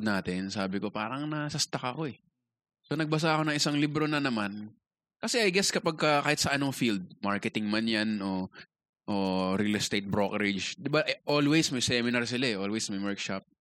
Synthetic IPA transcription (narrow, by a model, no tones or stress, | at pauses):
d̪naːt̪ɪnsaːbɪko̞pa̰ːɾɐŋnɐsɐst̪ɐkɐko̞ʔɛ | so̞nɐɡ̚bɐs̬aʔɐko̞nɐŋʔɪsaŋlibɾo̞nɐnɐman | kɐsɛʔɐjɡɛskɐpaɡ̚kɐkaːhɪt̪̚sɐʔɐno̞ŋfild̪̚maɹkɛt̪ɪŋmanjanʔo̞ | ʔoɾilɛst̪ejt̪̚bɾokɛɾɪd͡ʒd̪ɪbaʔʔolwejsmɐjsɛmɪnɐɾs̬ɪlaɛʔoːlwejsmɐjmɛɹkʃap̚